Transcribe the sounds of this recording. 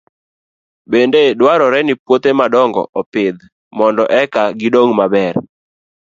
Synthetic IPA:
bendedwaɾɔɾɛnɪpwot̪emadɔŋɡɔ̰ʔɔpɪd̪ | mɔndɔʔɛkaɡɪdoŋmabɛr

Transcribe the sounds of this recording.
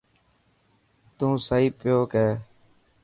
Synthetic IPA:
t̪ũːsaːiːpɪjoːkeː

